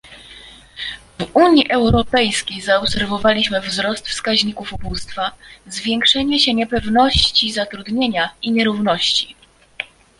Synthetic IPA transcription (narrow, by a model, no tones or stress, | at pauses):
vuɲiʔɛwɾɔpɛjskʲejzaɔpsɛɾvɔvalʲiɕmɘvzɾɔst̪fskaʑɲikufubust̪fazvʲjɛŋkʂɛɲɛɕɛɲɛpɛvnɔɕt͡ɕizat̪ɾud̪ɲeɲaiɲɛɾuvnɔɕt͡ɕi̥